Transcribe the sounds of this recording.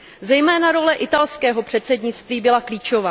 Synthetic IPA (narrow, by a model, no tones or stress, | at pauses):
zɛjmɛːnaɾo̞lɛʔɪt̪alskɛːɦo̞pr̝̥ɛt̪sɛdɲɪt͡st̪viːbɪlakliːt͡ʃo̞vaː